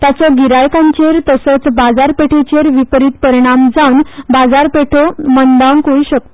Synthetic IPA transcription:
t̪jat͡sɔɡiɾajkãɲt͡ɕeɾt̪əsət͡sbad͡zaɾpeʈʰet͡ɕeɾʋipɾit̪̚pəɾiɽ̃amd͡zʱawnbad͡zaɾpeʈʰomənd̪aŋkoiɕək̚t̪o

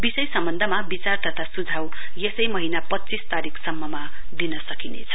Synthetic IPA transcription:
bisʌjsʌmbʌnd̪ʱʌmabit͡sart̪ʌt̪ʰasud͡zʱaw | jesʌjmʌɦinapʌtːt͡sist̪aɾikʰsʌmːʌma | d̪inʌsʌkinḛt͡sʰʌ̥

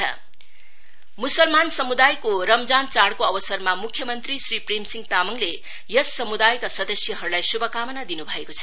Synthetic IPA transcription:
musʌlmansʌmud̪ajkoɾʌmd͡zant͡saɽkoʌbʌsʌrmamukʰjʌmʌnt̪risriprimsiŋɡt̪amʌŋle | jʌsːʌmud̪ajkasʌd̪ʌsjʌɦʌɾulajsubʱʌkamʌnad̪inubʱʌekot͡sʰʌ̥

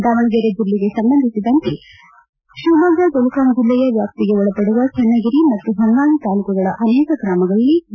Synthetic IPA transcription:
d̪aʋɐɳɐɡɐɾed͡ʒilːiɡe̞sɐmbɐnd̪ʱisid̪ɐnt̪e | ʃuːbaɡɐɡolukaːmd͡ʒilːɛjɐʋjaːp̚t̪iɡeɔɭɐpɐɽuʋɐt͡ʃʰɛnːɐɡiɾimɐt̪ːuɦɐnːaːɽut̪aːlukɐɡɐɭɐʔɐnɛːkɐɡɾaːmɐɡɐɭɐlːi

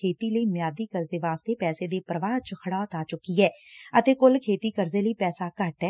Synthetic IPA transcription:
eːt̪iːləiːmjaːd̪iːkəɾzeːʋaːst̪eːpɛːseːd̪eːpɾəʋaːt͡ʃəkʰəɽaːt̪aːt͡ʃʊkiːɛːət̪eːkʊlkʰeːt̪iːkəɾzeːləiːpɛːsaːkəʈɛː

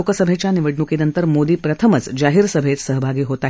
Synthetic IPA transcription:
okəsəbʱet͡ɕjaniʋəɽnukinənt̪əɾmod̪iːpɾət̪ʰəmət͡sd͡ʒaɦiɾsəbʱet͡s̪səɦəbʱaɡiːɦot̪a

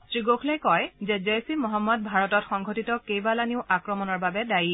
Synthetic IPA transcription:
stɹiɡokʰlɛjkɔjzɛzɛjsimɔɦɔmːɔd̚bʱaɹɔtɔtxɔŋɡʱotitɔkejbalaniʊʔakɹɔmɔnɔɹbabɛdaji

